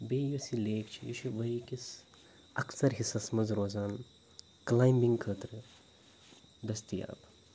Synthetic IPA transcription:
beːjosileːkt͡ʃʰijit͡ʃʰiʋɐikis | ɐksɐɾɦisɐsmɐnzɾoːzaːn | klaːjmbiŋɡkʰəːt̪ɾɨ | d̪ɐst̪ija̰ːb

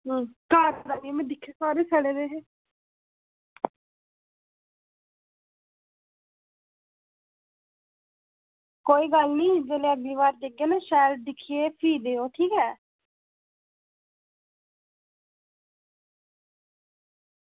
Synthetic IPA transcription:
kaːɾd̪aːɡimɛ̃ːd̪ɪkʰːeːsɔːɾeːsʰəɽeːd̪eːɦeː | koːiːɡəlnĩːd͡ʒeːleːəɡiːʋaːɾd͡ʒ̪eɡeːnaːʃɛːld̪ɪkʰːieːpʰiːd̪eːoːʈʰiːkɛː

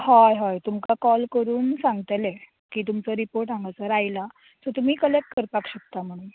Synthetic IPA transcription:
hɔjɦɔjt̪umkakɔlkəɾuːnsãŋɡt̪ale | kiːt̪̬umt͡səɾipoɾʈãŋɡʱat͡səɾajla | t̪ɔt̪um̤iːkəlekʈ̚kəɾpakɕək̚t̪am̤əɽ̃uːn

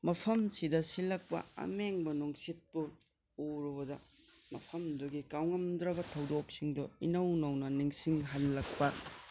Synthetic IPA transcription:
mɐpʰɐmsidɐsilɐk̚pɐ̰ɐ̰meŋbɐnuŋsit̚pu | uɾdɐmɐpʰɐmduɡikawŋɐmdɾɐbɐtʰɐwdok̚siŋdɔinɐwnɐwnɐniŋsiŋɦɐlːɐk̚pɐ

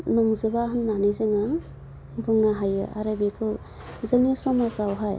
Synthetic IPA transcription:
nɔŋzɯbaɦɯnːanizɯŋa | bɯŋnaɦajɯ̰ʔaɾabikʰɯl | zɯŋnisɔmasawɦaj

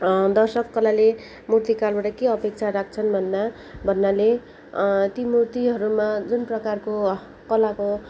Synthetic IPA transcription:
d̪ʌrsʌkːʌlale | murt̪ikalbaʈʌkeʌpek̚t͡sʰaɾak̚ʰt͡sʰʌnbʱʌnːa | bʱʌnːale | t̪imurt̪iɦʌɾumad͡zunprʌkarko | kʌlako

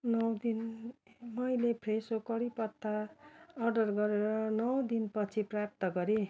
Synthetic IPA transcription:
nʌwd̪in | mʌjlepʰresokʌɾipʌt̪ʰːaː | rɖʌrɡʌɾeɾʌnʌwd̪inpʌt͡sʰiprap̚t̪ʌɡʌɾe

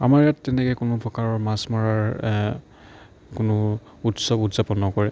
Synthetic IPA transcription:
a̰maɹjatːɛnɛkɛjkʊnʊpʰɔkaɹɔɹmasmɔɹaɹ | kʊnʊ | utsɔbutzapɔnːɔkɔɹɛ

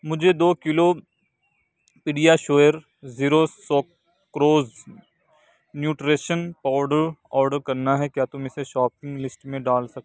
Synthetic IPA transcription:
mʊd͡ʒʱed̪oːkɪlo | piɖijaʃoːjəɾ | ziːɾosɔː | kɾoːz | njuːʈɾeːʃənpaːʋɾɖəɾɔːɾɖəɾkɐɾnaɦɛkjaːt̪ʊmɪseʃɔːpɪ̃ŋɡlɪsʈmẽɖaːlsɐk̚t̪e

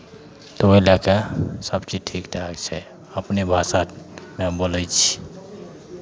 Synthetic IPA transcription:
t̪ɔəilakesəbt͡ʃiʈʰikt̪akt͡ʃʰɛ | əpnebʱasamẽboləjt͡ʃʰi̥

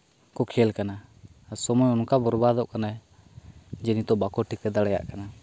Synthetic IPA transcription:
kɔkʰɛlkana | sɔmɔjɔnkabɔɾbad̪ɔʔkana | d͡ʒɛnit̪ɔʔbakɔʈʰikɛd̪aɽɛja̰ʔkana

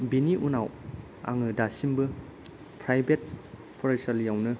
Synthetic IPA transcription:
biniʔunaw | a̰ŋɯdasimbɯ | pʰɾajbet̚ | pʰɔɾesɐljawnɯ

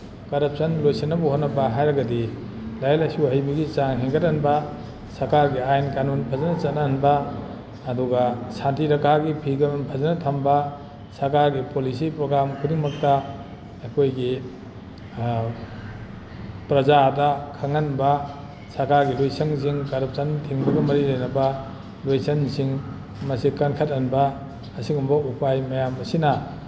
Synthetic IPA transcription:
kɐɾɐp̚sɐnlojsɐnːɐbuhotnːɐpaɦajɾɐɡɐdi | lajalasuɦɐjbɐɡit͡ʃaŋɦeŋɡɐtanbɐ | sɐɾkaɾɡiajnkanonpʰɐzɐnɐt͡ʃɐtnanbɐː | duɡɐsantiɾɐkʰaɡipʰiɡanonpʰɐzɐnɐtʰɐmbɐ | sɐɾkaɾɡipolisipɾoɡɾamkʰudiŋmɐk̚tɐː | kʰojɡi | pɾɐzadɐkʰaŋanbɐ | saɾkaɾɡilojsɐŋs̬iŋkaɾɐp̚santʰiŋbɐɡɐmɐɾilajnɐbɐ | lojsɐnsiŋ | mɐsikɐnkʰat̚ɐnbɐː | siŋumbɐupʰajmɐjamɐsina

